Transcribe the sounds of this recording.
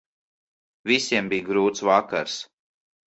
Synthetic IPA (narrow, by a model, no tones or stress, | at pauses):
visʲiɛmbijɡɾuːt̪svakaɾs